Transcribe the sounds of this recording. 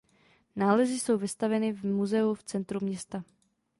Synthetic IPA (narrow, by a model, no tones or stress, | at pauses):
naːlɛzɪso̞wvɪst̪avɛnɪvmuzɛuft͡sɛnt̪ɾumɲɛst̪a